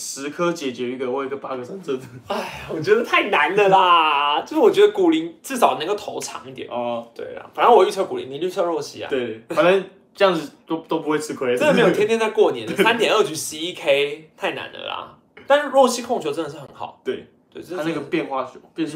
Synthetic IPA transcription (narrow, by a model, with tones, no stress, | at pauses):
ʂɻ̩˧˥kʰə˥t͡ɕjɛ˨˩t͡ɕɥɛ˧˥y˧˥ɡə˨wi˥ɡə˧˥pa˥ɡə˨˩sa˥nt͡sə˥˧˩də˩a˥˩ɪwɔ˨˩t͡ɕɥɛ˧˥d̪ə˧t̪ʰa˥˩ɪna˧˦nd̪ə˧a˧˩t͡ɕjo˥˧ʂ̩˥˩wɔ˨˩t͡ɕɥɛ˧˥d̪ə˧ku˨˩li˧˥ŋt͡sɻ̩˥˩sɑ˨˩ʊna˧˥ŋɡo˧˩t̪ʰo˧˥ʊʈ͡ʂʰɑ̰˧˥ŋi˥˩t̪jɛ̰˨˩nt̪wḛ˥˩ɪl̰fa˨˩nə˧˦nwɔ˨˩y˥˧t͡sʰɤ˥˩ku˨˩lḭ˧˦ŋni˨˩˦y˥˩t͡sʰɤ˥˧ɻwɔ˥˩ɕḭ˥a̰˨t̪we˥˩fa˨˩ə˧˥n | ʈ͡ʂɤ˥˧jɑ˥˩ŋd͡z̩˨˩t̪o˥ʊt̪o˥ʊp̬u˦xwe˥˧ɪt͡sʰɹ̩˥˧kʰwe˥ɪə˥ndə˨me˧˥jt̪ʰɛ˥nʰjɛ˥˧˥t͡sa˥˧ɪkwɔ˥˩njɛ̰˧˦nə˧sa˥nt̪jɛ˨˩nə˥˩t͡ɕy˧˥˩si˥i˥kʰe˥ɪt̪ʰa˥˩ɪna̰˧˥nd̪ə̰˧lɐ̰˩ | t̪a˥˧n̩˥˧ɻwɔ˥˩ɕi˥kʰo˥˩ŋt͡ɕʰo˧˥ʊʈ͡ʂə˥nd̪ə˩ʂɻ̩˥˩xə˧˦nxɑ̰˨˩˦ʊt̪we˥˩ɪ | t̪we˥˩ɪ˧ə˥na˥˩ɡə˨˩pjɛ˥˧nxwa˥˩t͡ɕʰʊpjɛ˥˧n˥